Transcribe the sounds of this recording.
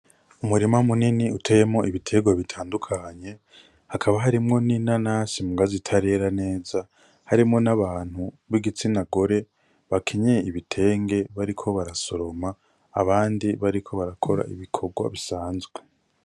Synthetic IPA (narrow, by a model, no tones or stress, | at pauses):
umuɾimamuniniutʰejemŋo̞ʔiβitʰe̞ːɡwaβitʰaːndukʰaɲe̞ | hakʰaβaɦaɾimŋo̞ninanasimuɡazitʰaɾe̞ɾane̞ːza | haɾimŋo̞naβaːn̥hu | βiɡit͡sinaɡoɾe̞ | βakʰeɲejiβitʰe̞ːŋɡe̞βaɾikʰo̞βaɾaso̞ɾo̞ma̰ː | βaːndiβaɾikʰo̞βaɾakʰo̞ɾa̰ʔḭβikʰo̞ɡwa̰βisaːnzɡwe